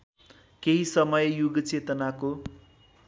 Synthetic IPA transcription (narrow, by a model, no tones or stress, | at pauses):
keɦisʌmʌjjuɡt͡set̪ʌnako